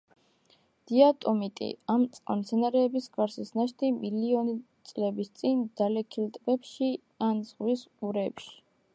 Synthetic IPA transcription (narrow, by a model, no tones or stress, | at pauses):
d̪̥iat̪ʼɔmit̪ʼḭamt̪sʼqʼa̰mt̪sʰɛnaɾɛːbisɡaɾsisnaʃt̪ʰimiliɔnit̪sʼlɛbist̪sʼind̪̥alɛkʰilt̪ʼbɛpʃi | anz̥ʁwisuɾɛpʃi̥